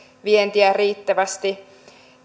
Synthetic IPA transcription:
ʋient̪iæriːt̪ːæʋæst̪i

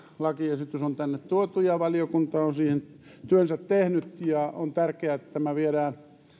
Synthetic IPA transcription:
lɑkiesit̪osont̪ænːet̪t̪uot̪ujɑʋɑliokunt̪ɑonsiːhen | t̪yønsæt̪tehnyt̪jɑont̪ærkeæet̪ːt̪æmæʋieɾæː

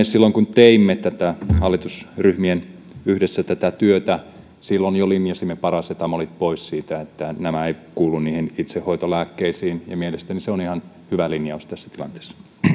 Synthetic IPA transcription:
esilːoŋkunt̪eimːet̪æt̪æhɑlːit̪usryhmien | yhdesːæt̪æt̪æt̪yøt̪æ | silːonjolinjɑsimːepɑrɑset̪ɑmolit̪̚poissiːt̪æet̪ːænæmæeikuːlːunniːhinit̪sehhoit̪olæːkːeisiːnjɑmielest̪æniseonihɑn | hyʋælinjɑust̪æsːæ̥t̪ilɑ̰nt̪e̥ːsːɑ̥

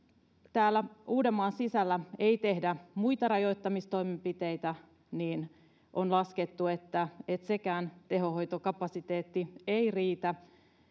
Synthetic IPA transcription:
t̪æːlːæuːdemːɑːnsisælːæeit̪e̞hdæmuit̪ɑɾɑjo̞it̪ːɑmist̪o̞imempit̪eit̪æ | niːn | ʔonlɑsket̪ːuet̪ːæet̪sekæːnt̪e̞ɦohojt̪okɑpɑsit̪eːt̪ːieiriːt̪æ

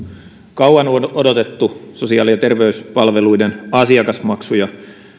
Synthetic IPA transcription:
kɑwɑnono̞do̞t̪e̞t̪ːuso̞siɑːliɑt̪e̞rʋe̞yspɑlʋe̞lujdenɑsiɑkɑsmɑksujɑ

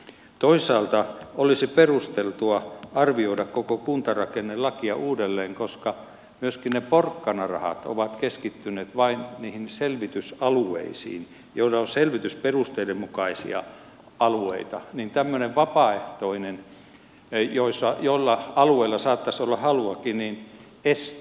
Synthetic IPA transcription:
t̪oisˑɑːlt̪ɑolisiperust̪elt̪uɑɑrʋioidɑkkokokunt̪ɑrɑkenːelɑkiɑʔuːdelːeːŋkoskɑ | myøskinneporkːɑnɑrɑ̰hɑ̰t̪o̰ʋɑt̪keskit̪ːynˑeːt̪ʋɑinniːhinselʋit̪ysɑluḛisḭːn | joilɑonselʋit̪ysperust̪eidemmukɑisḭɑ̰ | ɑluḛit̪ɑnint̪æmːøneʋʋɑpɑeht̪oinen | joisːɑjoilːɑɑlueilːɑsɑːt̪ːɑsolːɑhɑluɑkinin | es

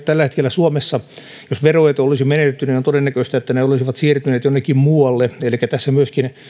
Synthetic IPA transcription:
t̪ælːæhet̪kelːæsuomesːɑ | josʋerojet̪olisimenet̪et̪ːyninont̪odenːækøist̪æet̪ːæneolisiʋɑt̪siːrt̪yneːt̪jonːekːimmuːɑlːeelikːæt̪æsːæmyøskin

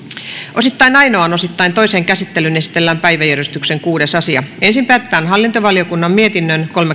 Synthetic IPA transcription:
osit̪ːɑinɑinoɑnosit̪ːɑint̪oiseːŋkæsit̪ːelynesi̥t̪elːæmpæiʋæjærjyst̪ykseŋkuːdesɑsiɑensimpæːt̪ːæːnɦɑlːint̪oʋɑliokunːɑmmiet̪inːønkolme

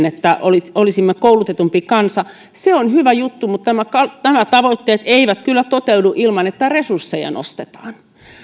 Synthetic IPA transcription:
net̪ːæʔoliolisimːekoulut̪et̪umpikɑnsɑ | seonhyʋæjut̪ːumut̪næmækɑnæmæt̪ɑʋoit̪ːeːt̪eiʋæt̪kylːæt̪ot̪euduʔilmɑnet̪ːæresursːejɑ̰no̰st̪et̪ɑ̥ːn

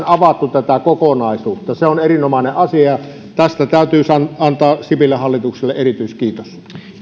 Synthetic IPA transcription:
nɑʋɑt̪ːut̪æt̪ækokonɑˑisuːt̪ːɑseonerinomɑˑeneʔʔɑsiɑɑ | t̪æst̪æt̪æˑyt̪yːsɑnɑnt̪ɑːsipilːehɑlːit̪ukselːeʔʔerit̪yiskiːt̪os

